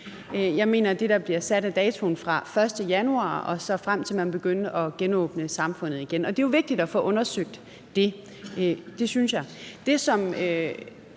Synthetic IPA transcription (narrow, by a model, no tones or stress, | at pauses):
jɑ̈ɪme̝̰ːnɐd̥e̝ɾ̥ɑ̈b̥liɐsæɾ̥æd̥ɛːt͡sʰo̝nfʁɑ̈fɶɐsd̥əjænuɑ̰̈ːɒ̽sɒ̽fʁam̰t͡sʰe̝lmænb̥e̝ɡ̥øn̰əʔɒ̽ɡ̥enɔ̰ːb̥nəsɑ̈mfɔ̽n̰ð̩ˠiɡ̥enɒ̽d̥e̝jo̝ʋe̝ɡ̥̚d̥id̥ɒfɔ̽ʔɔ̽nɐsøɡ̥̚d̥ː | e̝ | d̥e̝synsjɑ̈ɪd̥e̝sɒ̽mø